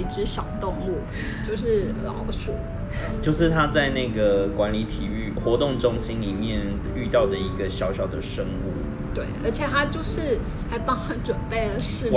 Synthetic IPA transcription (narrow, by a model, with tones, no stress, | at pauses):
i˥˩ʈ͡ʂɻ̩˥ɕjɑ˨˩ʊt̪ʊ˥˧ŋlu˥˩ | t͡ɕjo˥˧ʊʂ̬ɻ̩˥˩lɑ̰˧˥ʊsʰṵ˥˩˥ | t͡ɕjo˥˧ʊʂɻ̩˥˩t̪ʰa˦˥t͡sa˥˧ɪna˥˩ɪɡə˩kwa˧˦˥nli˧˥t̪ʰi˨˩y˥˩xwɔ˧˥t̪ʊ˥˩ŋʈ͡ʂʊ˥ŋɕi˥nli˨˩mjɛ˥˨n | y˥˧t̪ɑ˥˩ʊd̪ə˩i˧˥ɡə˧ɕjɑ˧˥ʊɕjɑ˨˩ʊd̪ə˩ʂə˥ŋu˥˩ | t̪we˥˩ɪə̰˧˥t͡ɕʰjɛ˨˩t̪ʰa˥t͡ɕjo˥˧ʊʂɻ̩˥˩ | xa˧˥ɪpɑ˥ŋxa˧˥nʈ͡ʂwə˨˩npe˥˩ɪdə˩ʂɻ̩˥˧